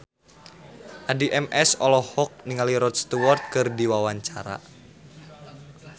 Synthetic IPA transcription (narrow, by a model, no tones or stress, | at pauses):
ʔadiʔɛmʔɛsɔlɔhɔk̚niŋaliɾɔt̪st̪uwɔrt̪̚kɨrdiwawaɲt͡ʃa̰ɾa̰